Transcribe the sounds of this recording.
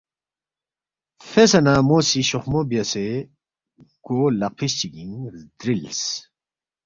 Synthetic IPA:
fesɐnamoːsiɕoχmobijɐse | kolɐqʰiɕt͡ɕiɡiŋd̪ɾils

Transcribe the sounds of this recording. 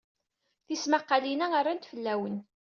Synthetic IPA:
θismaqːɑlinæarˤːant̪fəlːæwən

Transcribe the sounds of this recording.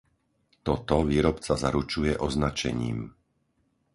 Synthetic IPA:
t̪ɔt̪ɔʋiːɾɔpt͡sazaɾut͡ʃujɛʔɔznat͡ʃɛ̰ɲḭːm

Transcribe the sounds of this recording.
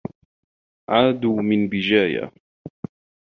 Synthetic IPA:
ʕaːd̪uːmɪnbɪd͡ʒaːja̰

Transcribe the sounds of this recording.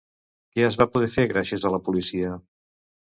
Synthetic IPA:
kɛəzβapuðɛfeɣ̞ɾasjəzələpulisiə

